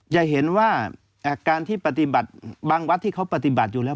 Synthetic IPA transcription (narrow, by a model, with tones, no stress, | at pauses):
t͡ɕa˨˩ɦe˩˦nwaː˥˩ | ʔaː˧kaː˧nt̪ʰiː˥˩pa˧t̪i˨˧˩ba˨˩t̪̚baː˧ŋwa˦˥t̪ʰːiː˥˩kʰa˦˥wpa˧t̪i˨˩ba˨˩t̪̚juː˨˩lɛː˦˥